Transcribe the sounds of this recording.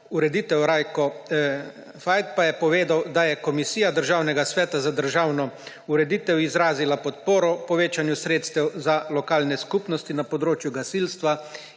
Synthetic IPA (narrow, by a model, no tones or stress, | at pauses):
uɾɛd̪iːt̪ɛwɾajkɔ | fajt̪̚pajɛpɔʋeːd̪awd̪ajɛkɔmisiːjad̪əɾʒaːwnɛɡasʋɛːt̪azad̪əɾʒaːwnɔ | uɾɛd̪iːt̪ɛwizɾaːzilapɔt̪̚poːɾɔpɔʋeːt͡ʃanjusɾeːt̪st̪ɛwzalɔkaːlnɛskupnɔst̪inapɔd̪ɾoːt͡ʃjuɡasilst̪ʋa